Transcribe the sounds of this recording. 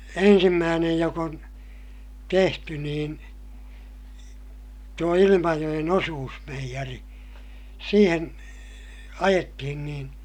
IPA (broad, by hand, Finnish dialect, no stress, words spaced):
ensimːæːnej jok on tehty niːn tuo ilimɑjoj̆en osuːsmeijæri siːheŋ ɑjetːihin niːn